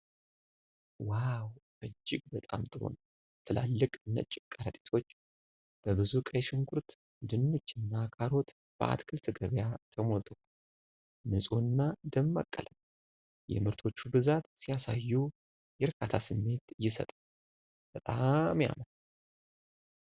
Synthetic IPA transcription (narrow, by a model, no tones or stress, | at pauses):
waw | ɨd͡ʒːɪɡʼbət̪ʼamt̪ʼɨɾo̞̰n | t̪ʰɨla̰lːɨkʼnːə̰t͡ʃʼːɪkʼːaɾət̪ʼe̥t̪ʰo̞t͡ʃː | b̥əβɨzukʼəjʃɪŋɡʰʊɾt̪ | d̪ɨnːɨt͡ʃːɪnːakʼaɾo̞t̪ | b̥əa̰t̪kʰɨlt̪ʰɨɡəβjat̪ʰəmo̞lt̪ʰəw | nɨsʼonːad̪əmːa̰kʼːə̰ləm | jɛ̰mɨɾt̪ʰo̞t͡ʃːubɨzat̪sijasajːu | jɛɾkʰat̪ʰasɨmːe̞t̪ɨjːɪsə̰t̪ʼa | b̥ət̪ʼamja̰mən